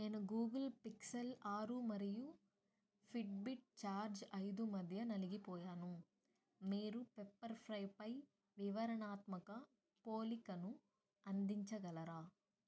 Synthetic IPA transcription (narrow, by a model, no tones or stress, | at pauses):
neːnuɡuːɡɐlpiksɐlaːɾumɐɾiju | pʰiʈbiʈ̚t͡ʃaːɾd͡ʒɐjd̪umɐd̪ʱjɐnɐliɡipɔːjaːnu | miːɾupepːɐɾpʰɾɐjpɐj | ʋiʋɐɾɐɳaːt̪mɐkɐ | poːlikɐnu | ɐnd̪iɲt͡ʃɐɡɐlɐɾaː